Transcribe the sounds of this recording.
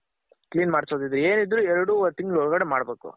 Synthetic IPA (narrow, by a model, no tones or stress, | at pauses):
kliːnmaːɽsoːd̪id̪ɾue̞ːnid̪ɾuɛɾɐɽut̪iŋɡɐɭɦɔɭɡɐɽemaːɽɐbe̞ːkṵ